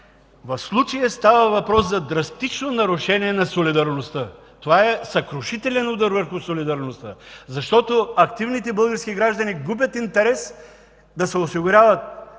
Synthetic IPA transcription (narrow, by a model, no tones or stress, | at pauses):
vɐfslˠut͡ʃɐjəst̪avɐvɐpɾɔszɐd̪ɾɐst̪it͡ʃnonɐɾʊʃɛniɛnɐsolid̪ɐɾnost̪ə | t̪ovaɛsɐkɾoʃit̪ɛlʲɛnud̪ɐɾvəɾxʊsolid̪ɐɾnost̪əzɐʃt̪ɔt̪oɐkt̪ivnit̪ɛbəlˠɡəɾsk̟iɡɾaʒd̪ɐniɡubʲjət̪int̪ɛɾɛs | d̪ɐsɛosiɡʊɾʲavɐt̪̚